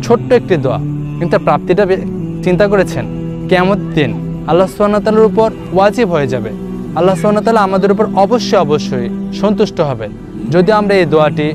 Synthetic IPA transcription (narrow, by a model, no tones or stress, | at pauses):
t͡ɕʰoʈːoek̚ʈid̪oa̰ | kĩnt̪apɾap̚t̪iʈabt͡ɕint̪akoɾet͡ɕʰen | kɛmot̪d̪in | alːasubanat̪aːlaɾupoɾ | wad͡ʑibʱɦoed͡ʑabe | alːasubanoat̪aːlaamad̪eɾup̬oɾɔboʃːojɔboʃːojʃɔnt̪uʃʈoɦɔbe | d͡ʑod̪ioamɾaejd̪oaʈi